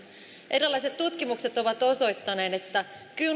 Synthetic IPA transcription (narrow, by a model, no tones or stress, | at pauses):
ʔe̞ɾilːɑise̞t̪t̪ːut̪k̟imukset̪o̞ʋɑt̪o̞so̞jt̪ːɑne̞ːnet̪ːæ | ky